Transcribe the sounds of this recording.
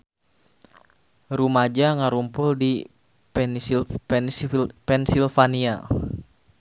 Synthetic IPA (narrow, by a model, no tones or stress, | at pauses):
ɾumad͡ʒaŋaɾumpʊldi | p | pɛnsilfania